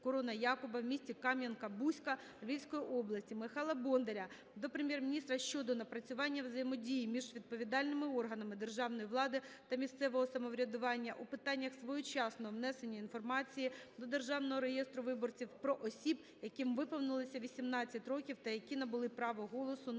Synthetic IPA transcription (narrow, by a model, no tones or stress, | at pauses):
kɔɾɔnɐjɑkʊbɐwmʲisʲtʲikɑmʲjɐnkɐbusʲkɐ | ʋʲiwʲsʲkɔjiʔɔblˠɐsʲtʲimɪxɑlˠɐbɔnd̪eɾʲɐ | d̪ɔpɾemʲjermʲinʲist̪ɾɐʃt͡ʃɔd̪ɔnɐpɾɐt͡sʲʊʋɑnʲːɐwzɐjɪmɔdʲijimʲiʒʋʲid̪̚pɔʋʲid̪ɑlʲnɪmɪɔrɦɐnɐmɪd̪erʒɑʋnɔjiʋlˠɑd̪ɪt̪ɐmʲist̪sɛʋɔɦɔsɐmɔʋɾʲɐd̪ʊʋɑnʲːɐʔupɪt̪ɑnʲːɐxsʋɔjʊt͡ʃɑsnɔɔʋnɛsenʲːɐinfɔrmɑt͡sʲijid̪ɔd̪e̞rʒɑwnɔɦɔɾejest̪ɾʊʋɪbɔrt͡sʲiwpɾɔʔɔsʲib | jɐkɪmʋɪpɔwnɪlˠɪsʲɐʋʲisʲimnɑt͡sʲːɐtʲrɔkʲiwt̪ɐjɐkʲinɐbʊlˠɪpɾɑʋɔɦɔlˠɔsʊ